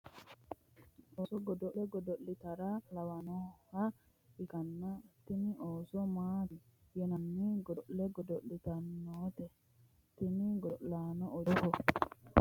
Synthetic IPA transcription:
oːsɔɡɔd̪ɔʔlɛɡɔd̪ɔʔːɪt̪ɐɾalɐwɐnɔha | ɪkɐnːɐt̪iniʔoːsɔmaːi | jɛnɐnːiɡɔʔlɛɡɔd̪ɔʔːɪt̪ɐnːoːt̪ɛ | t̪ɪniɡɔʔlaːnɔɔɾɔhɔ

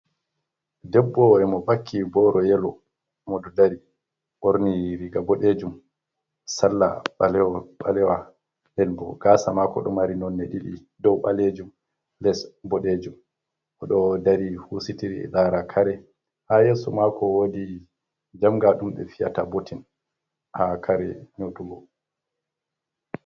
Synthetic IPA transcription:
dɛbːɔɛmɔbakʰːibɔɾɔjɛlɔ | mɔdɔdaɾi | ʔoɾniɾiɡabɔɗed͡ʒum | salːa̰ɓalɛwaɓalɛwa | dɛnbɔɡ̥aːsamakɔ̰ɗɔmaɾinɔnːɛɗiɗi | dɔwɓaled͡ʒum | lɛsbɔɗed͡ʒum | ʔɔɗɔdaɾihusitiɾiɛ̰ɗaɾakʰaɾɛ | hajeːsumakɔwodi | d͡ʒamɡaɗumɓɛ̰fija̰tabotin | hakʰaɾɛ̰ɲotuɡɔ

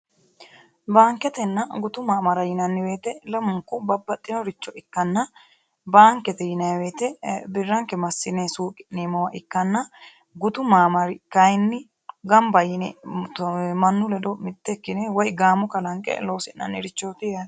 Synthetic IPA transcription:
baːŋkːɛt̪ɛnːɐɡʊt̪ʊmaːmɐɾɐjɪnɐnːɪweːt̪ɛlɐmʊŋkːʊbɐbːɐt̪ʼːɪnɔɾɪt͡ʃːɔɪkːɐnːɐ | baːŋkɛt̪ɛjɪnɐjweːt̪ɛbɪrːɐŋkɛmɐsːɪnɛsuːkʼɪneːmɐwɐʔɪkːɐnːɐ | ɡʊt̪ʊmaːmɐɾɪkɐjnːɪ | ɡɐmbɐjɪnɛ | mɐnːʊlɛd̪ɔmɪt̪ːɛkːɪnɛwɔjɡaːmɔkɐlɐŋkʼɛ̰loːsɛnɐ̰nːɪɾɪt͡ʃːoːt̪ɪɐ

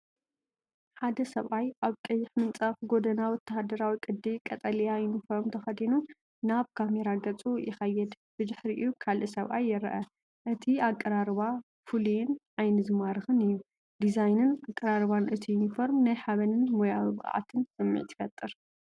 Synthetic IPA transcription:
ħad̪ɐsɐβʔajʔaβkʼɐjːɪħmɨnt͡sʼafɡo̞d̪ɐnawɔt̪ʰːahad̪ɐɾawikʼɨd̪ːikʼɐt̪ʼɐljajunifo̞ɾmt̪ʰɐxɐd̪inu | naβkʰameɾaɡɐt͡sʼujɪxɐjːɛd̪ | b̥ɨd̪ɨħɾiʔjukʰalʔɨsɐβʔa̰jːɪɾɐʔɐ | ʔɨt̪ʰiakʼːɐɾaɾβa | fulujɛn | ajnɨzɨmaɾɨxɨnɨjːu | d̪izajnɨnakʼːɐɾaɾβanʔɨt̪ʰijunifo̞ɾmnajħaβɐnɨnmojawiβkʼʕa̰t̪ʰɨnsɨmːḭʕt̪ʰɨ̥fɐt̪ʼːɨɾ

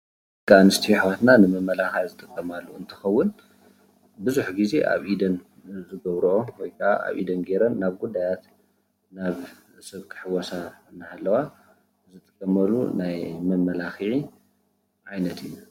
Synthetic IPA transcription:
kʼanɨst̪ʰjiħwat̪nanɨmɐmːɐlaxiʕzɨt̪ʼɨkʼːɐmalːuɨnt̪ʰɨ̥xɐwːʊn | bɨzuħɡize̞ʔa̰βʔid̪ɐn | zɨɡɐβɾoʔowɔjkʰɐʔa̰ʔa̰βʔḭd̪ɐnɡe̞ɾɐnːaβɡud̪ːajat̪ | naβ | sɨβkʰɨ̥ħɨwɐsaɨnːahalːɐwa | zɨt̪ʼɨ̥kʼːɐmɐlːṵnajmɐmːɐlaxʕi | ʕajnɐt̪ʰɨjːu

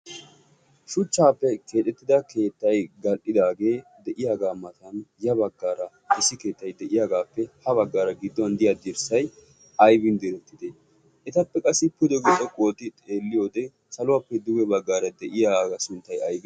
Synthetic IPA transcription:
ʃʊt͡ʃːaːpːɛkʰe̞ːt̪ʼːɛt̪ːɪd̪ɐke̞ːt̪ːɐjɡɐlʔɪd̪aːɡe̞ːd̪ɛʔɪjaːɡaːmɐt̪ɐnjɐbɐɡːaːɾɐ | ʔɪsːɪke̞ːt̪ːɐjd̪ɛʔɪjaːɡaːpːɛhɐβɐɡːaːɾɐɡɪd̪ːɔɐnd̪ɪjad̪ɪɾsɐj | ɐjbɪnd̪ɪɾɛt̪ːɪd̪e | ʔɛt̪ɐpːɛkʼɐsːɪpʊd̪ɛɡɔtʼːɔkʼo̞ːt̪ɪt̪ʼe̞ːlːɪjo̞ːd̪ɛ | sɐlʊwaːpːɛd̪ʊɡɛbɐɡːaːɾɐd̪ɛʔɪjaːɡɐsʊnt̪ːɐjɐjbɪ

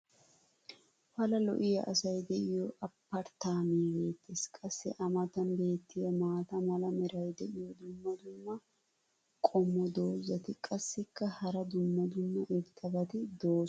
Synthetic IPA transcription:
fɐlɐlɔ̰ʔɪjɐʔɐsɐjd̪ɛʔɪjɔʔɐpːɐɾt̪aːmiːbe̞ːt̪ːeskʼɐsːɪʔɐmɐt̪ɐnbe̞ːt̪ʰːɪjɐmaːt̪ɐmɐlɐmɛɾɐjd̪ɛʔɪjɔd̪ʊmːɐd̪ʊnːɐ | kʼɔmːɔd̪o̞ːzːɐt̪ɪkʼɐsːɪkːɐhɐɾɐd̪ʊmːɐd̪ʊnːɐʔɪbt̪ʰʼɐbɐt̪ɪd̪o̞ː

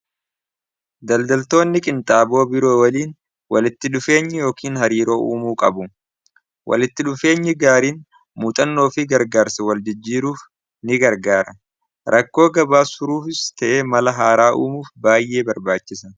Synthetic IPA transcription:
d̪ɐld̪ɐlt̪o̞ːnːɪkʼɪnt̪ʼaːbo̞ːbɪɾoːwɐliːn | wɐlɪt̪ːɪᶑʊfe̞ːɲːɪjo̞ːkiːnɦɐɾiːɾo̞ːʔuːmuːkʼɐbʊ | wʔɐ̰lɪt̪ːɪᶑʊfe̞ːɲːɪɡaːɾiːn | muːt̪ʼɐnːo̞ːfɪɡɐɾɡaːɾsɐwɐld͡ʒɪd͡ʒːiːɾuːf | nɪɡɐɾɡaːɾɐ | ɾʔɐkːo̞ːɡɐbaːsʊɾuːfɪst̪ɐʔe̞ːmɐlɐɦaːɾaːʔuːmuːfbaːjːe̞ːbɐɾbaːt͡ʃːɪsɐ

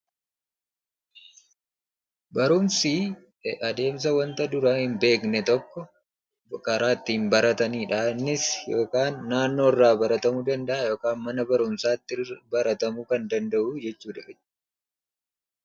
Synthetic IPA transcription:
bɐɾʊmsiː | ɐd̪e̞ːms̬ɐwɐnt̪ɐd̪ʊɾaːhɪmbe̞ːknɛt̪ɔkːɔ | kɐɾaːt̪ːɪhɪmbɐɾɐt̪ɐniːᶑanːɪsjo̞ːkaːnːaːnːo̞ːɪrːaːbɐɾɐt̪ɐmuːd̪ɐnd̪ɐʔaːjo̞ːkaːnmɐnɐbɐɾʊmsaːt̪ːɪbɐɾɐt̪ɐmukɐnd̪ɐnd̪ɐʔuːd͡ʒɛt͡ʃːuːᶑɐɛ

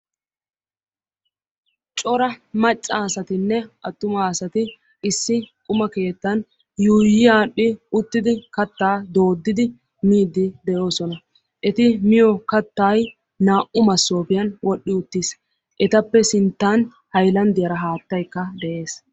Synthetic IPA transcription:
t͡ʃʼɔɾɐmɐt͡ʃʼːaːsɐt̪ɪnːɛʔɐt̪ːʊmaːsɐt̪ɪ | ɪsːɪkʼʊmɐke̞ːt̪ːɐn | juːjɪaːɗːɪʊt̪ːɪd̪ɪkɐt̪ːaːd̪o̞ːd̪ːɪd̪ɪ | miːd̪ɪd̪ɛjo̞ːsɔnɐ | ʔɛt̪ɪmɪjɔkɐt̪ːaːj | naːʔʊmɐsːo̞ːpɪjɐnwɔɗːɪʊt̪ːis | ʔɛt̪ɐpːɛsɪnt̪ːan | hɐjlɐnd̪ɪjɐɾɐɦaːt̪ːɐjkːɐd̪ɛʔe̞ːs

